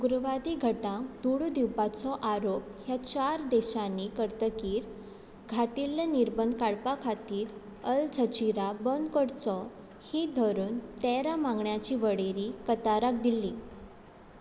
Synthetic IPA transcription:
ɡuɾʋad̪iɡʱəʈãkd̪̥uɽud̪iwpat͡sɔʔaɾop̚hjat͡ɕaɾd̪eɕanikəɾt̪əkiːɾ | ɡʱat̪ilːaniɾbənkaɽpakʰat̪iːɾ | əld͡zʱət͡ɕiɾabənd̪kəɽt͡sɔ | hid̪ʱɔɾuːnt̪ɛɾamãŋɡɳjat͡ɕiːʋəɽeɾikət̪aɾakd̪ilːi

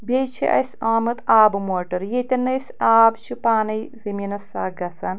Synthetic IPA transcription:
bʲejt͡ʃʰḭʔɐ̰jsaːmɨt̪aːbɨmoːʈɐɾjet̪ʲɐnːɐjsaːbt͡ʃʰipaːnɐjziminɐsaːɡɐsɐn

